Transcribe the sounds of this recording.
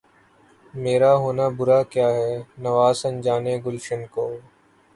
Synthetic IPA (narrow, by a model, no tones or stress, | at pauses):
meːɾaɦoːnabʊɾakjaːɦɛnɐʋaːsə̃nd͡ʒaːneɡʊlʃənkoː